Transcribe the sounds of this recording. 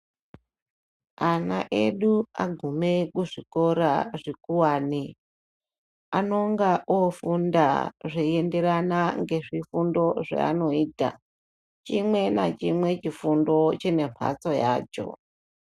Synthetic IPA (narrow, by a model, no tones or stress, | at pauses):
ana̰ʔḛɗuaɡʱume̞kuʐiko̞ɾaʐikuwaːni | ano̞ŋɡaʔofunda̰ʐiende̞ɾanaŋɡe̞ʐifundo̞ʐḛa̰no̞iːta̰ | t͡ʃimwe̞na̰t͡ʃimwe̞t͡ʃifundo̞t͡ʃine̞m̤ʰa̰t͡so̞ja̰ːt͡ʃo̞̰